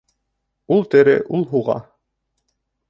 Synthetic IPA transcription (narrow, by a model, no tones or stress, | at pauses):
ulˠt̪ɘ̆ɾɘ̰ʔulˠɦuʁɑ̰